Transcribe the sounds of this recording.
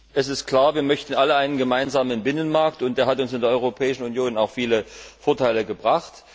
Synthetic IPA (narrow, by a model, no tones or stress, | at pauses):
ʔɛsɪstkʰl̥aːɐviːɐmœçtn̩ʔaləaɪnənɡəmaɪnzaːmənbɪnənmaɐktʊnt̚d̥eːɐɦatʊnsɪndeːɐʔɔʏʁopʰɛːɪʃn̩unjoːnaʊxfiːləfoːɐtʰaɪləɡəbʁaχt